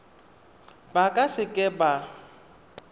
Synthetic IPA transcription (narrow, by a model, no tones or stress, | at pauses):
bakʼasɪkʼɪba